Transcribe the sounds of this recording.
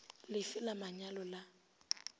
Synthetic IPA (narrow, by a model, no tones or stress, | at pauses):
lɪfɪlamaɲalɔla